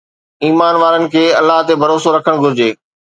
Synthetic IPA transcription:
iːmaːnʋaːɾənɪ̆kʰeːɐlːaɦt̪ebʱɐɾoːsoɾɐkʰəɽ̃ɡʱʊɾɪd͡ʑeː

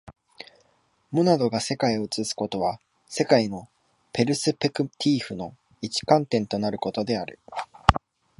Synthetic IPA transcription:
mo̞nad̪o̞ɡase̞kaio̞t͡sɨsɨ̥ko̞t̪o̞βa | se̞kaino̞ | pe̞ɾɯ̟sɨpekɯ̟t̪ʲʰiːɸɯ̟no̞ | it͡ɕi̥kãnt̪ẽ̞nt̪o̞naɾɯ̟ko̞t̪o̞d̪e̞aɾɯ̟̰

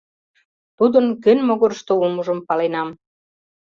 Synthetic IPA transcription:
t̪ud̪ənkønʲmoɣoɾʃt̪oumuʒə̆mpɑlenɑm

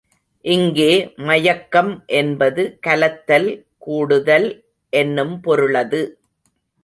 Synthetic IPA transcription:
ʔɪŋɡeːmɐjɐkːɐmʔɛnbɐðɯkɐlɐt̪ːɐl | kuːɽɯðɐl | ʔɛnːɯmpɔɾɯɭɐðɯ

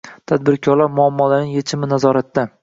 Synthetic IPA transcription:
t̪ʰad̪̚bɪɾkʰɒɾlaɾmʊamːɒlanɪŋjet͡ʃʰɪmɪnazɒɾat̪ːa

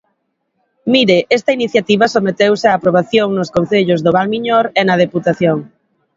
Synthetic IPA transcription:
miɾɪʔɛst̪ɐiniθjat̪iβɐsomet̪ewsɪaːpɾoβ̞aθjoŋnʊskon̟θeʎʊzðʊβ̞almiɲoɾenɐð̞eput̪aθjoŋ

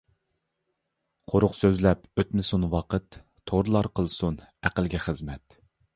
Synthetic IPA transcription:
qʰoɾʊqsøzlɛpøt̪mɪsunwɑqət̪ʰː | oɾlˠɑɾqʰəlˠsunæqəlˠɡʲɛχəzmɛt̪

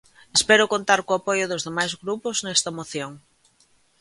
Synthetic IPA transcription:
espɛɾʊkõnt̪aɾkoapojʊðʊzðemajzɣɾupʊznɛst̪ɐmoθjoŋ

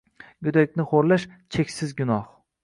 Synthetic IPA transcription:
ɡʊd̪ak̚ʲnɪχoɾlaʃt͡ʃʰekʲsɪzɡʲʊnɒh

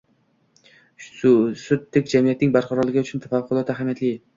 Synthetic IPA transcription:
sʊd̪ːɪkʲd͡ʒamijat̪nɪŋbaɾqʰɑɾɒlˠɪɡʲɪʊt͡ʃʰʊnt̪ʰafɑqʰːʊlˠɒt̪aɦamijat̪lɪ

